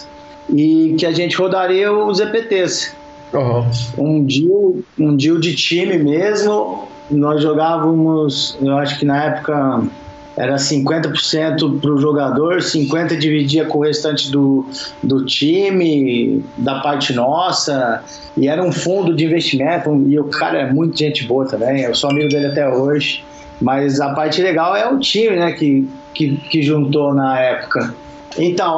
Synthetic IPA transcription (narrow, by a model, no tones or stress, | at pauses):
ɪkɪaʒẽnt͡ʃɪhod̪aɾiɐʊzepet̪es | ɦũd͡ʒiʊũd͡ʒiwd͡ʒɪt͡ʃĩmɪmezmʊ | nɔzʒoɡavɐmʊsewaʃʊ̥kɪnɐɛpʊ̥kɐ | ɛ̰ɾɐsĩŋkwẽnt̪ɐpo̥ɾsẽnt̪ʊpɾʊʒoɡad̪oɾsĩŋkwẽnt̪ɐd͡ʒivid͡ʒiɐkõhest̪ɐ̃t͡ʃɪd̪ʊd̪ʊt͡ʃĩmɪd̪ɐpaɾt͡ʃɪnɔsɐ | ɪɛɾɐũfũnd̪ʊd͡ʒɪĩvest͡ʃimẽnt̪ʊ̃ɪʊkʰa̰ɾɐɛmũj̃t̪ɐʒẽnt͡ʃɪboɐt̪ɐ̃mbẽj̃ewsoamiɡʊd̪elɪat̪ɛoʒɪ | mɐjzɐpaɾt͡ʃɪleɡawɛũt͡ʃĩmɪnɛkɪ | kɪkɪʒũnt̪onɐɛpʊ̥kɐ | ẽt̪ɐ̃w̃